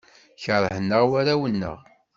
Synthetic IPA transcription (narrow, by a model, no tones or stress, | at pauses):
çəɾˤəhənːəʁwaɾæwənːə̰ʁ